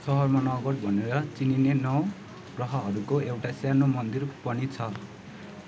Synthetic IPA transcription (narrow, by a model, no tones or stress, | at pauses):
sʌɦʌrmanʌɡʌʈ̚bʱʌneɾʌt͡sininenʌw | ɡrʌɦʌɦʌɾukoewʈasjanomʌnd̪irpʌnit͡sʰʌ